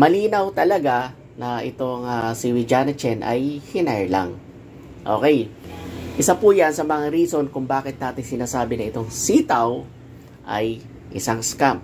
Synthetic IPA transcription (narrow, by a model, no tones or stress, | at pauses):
mɐliːnɐwt̪ɐlɐɡa | nɐʔɪt̪o̞ŋasɪwɪd͡ʒaːnɐt͡ʃɛnʔɐ̰jhɪnɛɹla̰ŋ | ʔo̞̰ːkɛj | ʔɪsapuːjansɐmɐŋaɾiːso̞nkʊŋbaːkɪt̪̚naːt̪ɪŋsɪnaːsaːbɪnɐɪt̪o̞ŋsiːt̪ɐw | ʔɐ̰j | ʔɪsaŋskamp̚